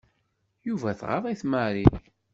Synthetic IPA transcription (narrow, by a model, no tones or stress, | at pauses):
juvæθʁɑ̰ðˤiθmæɾi